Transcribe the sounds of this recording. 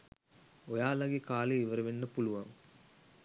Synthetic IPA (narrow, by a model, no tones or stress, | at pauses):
ojaːlaɡekaːleiʋəɾəʋenːəpuluʋaŋ